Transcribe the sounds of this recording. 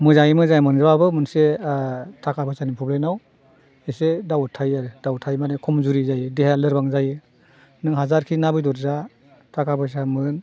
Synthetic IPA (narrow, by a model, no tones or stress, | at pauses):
mɯzaimɯzajmɯnzɯbabɯmɯnse | tʰakʰapɯsanipʰɔblanaw | esedawɔtʰajaɾɯdawɔtʰajmanekʰɔmzuɾizajɯdeɦaalɯɾbaŋzajɯ | nɯŋɦazaɾkʰinabɯjdɔɾza | tʰakʰabɯjs̬amɯn